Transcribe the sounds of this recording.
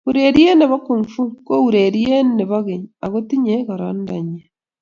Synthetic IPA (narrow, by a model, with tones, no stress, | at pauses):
βuɾeɾie˦ne˨βa˦kuɱfu˦ko˦uɾeɾie˦ne˨βaɣeɲa˨ɣo˦ti˦ɲeɣaɾo˦ndaɲe˨